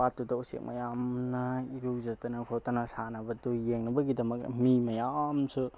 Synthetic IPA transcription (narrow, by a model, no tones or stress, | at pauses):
atːudɐusḛk̚mɐ̰jamnɐiɾuk̚zatɐnɐkʰotɐnɐsanɐbɐdujeŋnɐbɐɡidɐmɐk̚mimɐjamsu